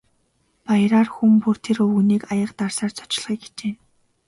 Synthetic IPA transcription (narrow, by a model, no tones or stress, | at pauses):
pajɾaːrxumpur̥t̪ʰeɾɵwɣuniːkajə̆qt̪arsaːrt͡sʰɔ̥t͡ɕɪ̆ɮχiːk̚ɡe̥t͡ɕeːn